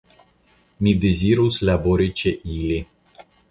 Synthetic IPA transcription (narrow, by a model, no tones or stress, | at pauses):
mid̪ezʲiɾuslʲaboɾit͡ʃeʔilʲi